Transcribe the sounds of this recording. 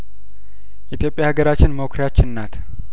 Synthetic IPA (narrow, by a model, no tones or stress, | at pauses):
ʔit̪ʰjo̞pʼjahaɡəɾat͡ʃːɪnməkʰɾjat͡ʃːɪnːat̪ʰ